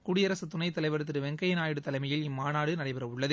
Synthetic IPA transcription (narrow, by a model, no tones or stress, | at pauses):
kuɽɪɐɾɐsɯt̪ʊnɐɪt̪ːɐlɐɪʋɐɾɐt̪ːɪɾɯʋɛŋɡɐjɪnaːjɪɽɯt̪ːɐlɐɪmɐjɪlɪmːaːnaːɽɯnɐɽɐɪpɐɾɐʊɭːɐðɯ